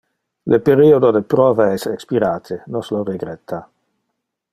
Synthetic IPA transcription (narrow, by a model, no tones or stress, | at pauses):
lʔepeɾiod̪od̪epɾɔːvaɛsekspiɾaːt̪ʰenosloreɡɾɛt̪ʰːa